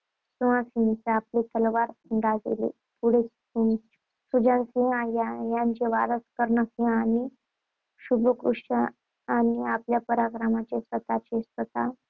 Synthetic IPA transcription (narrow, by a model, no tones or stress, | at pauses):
suãsint͡seaplet̪əlʋaɾɡad͡zḛlḛ | puɽ̤et͡s | um | sud͡ʑãnsiãjajãɲt͡ɕeʋa̰ɾəskəɾɳəsiãani | ɕubʱəkɾuʂə | aniapljapəɾakɾəmat͡ɕesʋət̪at͡ɕesət̪a